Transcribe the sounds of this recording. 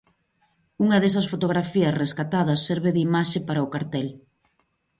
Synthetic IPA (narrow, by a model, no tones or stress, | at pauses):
uŋɐðes̬ɐsfot̪oɣ̞ɾafiɐsreskat̪að̞ɐsːɛɾβeðimaʃepaɾɐʊkaɾt̪ɛl